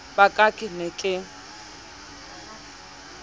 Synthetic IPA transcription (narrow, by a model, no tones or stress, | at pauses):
b̥akʼakʼɪnɛkʼɪ